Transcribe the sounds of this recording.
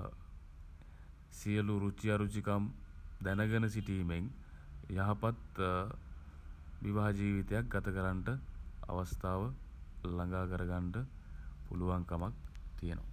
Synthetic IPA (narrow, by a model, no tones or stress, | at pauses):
sijəluɾut͡ʃiaɾut͡ʃikamd̪ænəɡənəsiʈiːmeŋ | jaɦapat̪ | ʋiʋaɦad͡ʒiːʋit̪ejak̚ɡat̪əkəɾaɳʈəa̰ʋast̪aːʋəlaŋɡaːkəɾəɡaɳʈə | puluʋaŋkamak̚t̪ijəno̰